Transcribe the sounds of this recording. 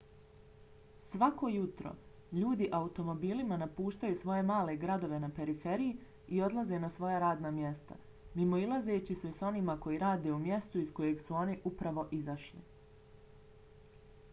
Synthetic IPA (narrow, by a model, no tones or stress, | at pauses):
sʋako̞jut̪ɾo̰ | ʎuːd̪iʔaut̪o̞mo̞biːlimanapuːʃt̪ajusʋo̞je̞maːle̞ɡɾad̪o̞ʋe̞nape̞ɾife̞ɾiji | io̞d̪lˠaze̞nasʋo̞jaɾaːd̪namje̞st̪a̰ | mimo̞ilˠaze̞t͡ɕiseso̞nimako̞jiɾaːd̪e̞umje̞st̪uisko̞je̞ɡsuo̞niʔupɾaʋo̞ʔizaʃlḭ